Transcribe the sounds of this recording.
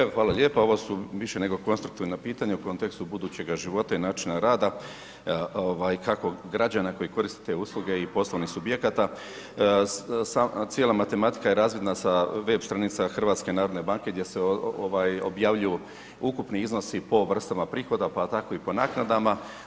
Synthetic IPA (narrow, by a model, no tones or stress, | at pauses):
exʋaːlaʎʲe̞ːpao̞ʋo̞suʋiʃe̞ne̞ɡo̞ko̞nst̪ɾukt̪iʋnapiːt̪aɲauko̞nt̪e̞kst̪ubud̪uːt͡ɕe̞ɡaʒiʋo̞t̪ainaːt͡ʃinaɾaːd̪a | oʋaːjkako̞ɡɾad͡ʑanako̞jiko̞ɾist̪e̥t̪e̞uːslˠuɡe̞ipo̞slˠoʋnixsubje̞kat̪a | sat̪je̞lamat̪e̞mat̪i̥kajeɾaːzʋjed̪nasaʋe̞bst̪ɾanit̪saxr̩ʋaːt̪skenaːɾod̪ne̞baŋke̞ɡd̪je̞seoʋaːjo̰bjaːʋʎuju | ukupniizno̞sipo̞ʋr̩st̪amapɾiːxo̞d̪apat̪ako̞ipo̞naːknad̪ama